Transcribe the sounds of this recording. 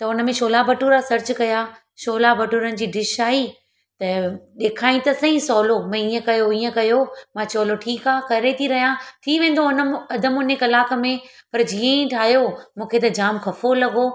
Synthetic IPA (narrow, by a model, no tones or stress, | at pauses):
t̪ɐʊnə̆mẽʃoːlabɐʈuːɾasɐɾt͡ɕkɐja | ʃoːlabɐʈuɾənɪ̆d͡ʑiːɖɪʃaːi | t̪ɐɗeːkʰaːĩt̪ɐsɐ̃ĩsɔːlomãiːə̃kɐjoiːə̃kɐjomãt͡ɕoːloʈʰiːkaːkɐɾet̪ʰiɾɐɦijãt̪ʰiʋẽːn̆d̪oʊnəɐd̪ʱəmʊnekɐlaːk̆mẽpɐɾd͡ʑiːə̃ĩʈʰaːɦjomũːkʰet̪ɐd͡ʑaːmkʰɐfolɐɡo